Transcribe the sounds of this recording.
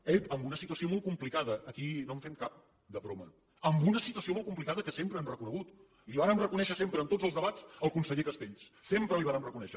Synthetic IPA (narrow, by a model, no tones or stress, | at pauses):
eəmbunəsit̪uəsiomolˠkumplikaðəːkinomɱfenkap̚ | d̪əβɾo̰mə̰ | əmbunəsit̪uəsiomolˠkumplikaðəkəsempɾəɛmrəkunəɣut̪ | liβaɾənrəkunɛʃəsempɾənt̪od͡zzəlˠzðəβat͡səlˠkunsəʎekəst̪eʎs | sempɾəliβaɾənrəkunɛʃə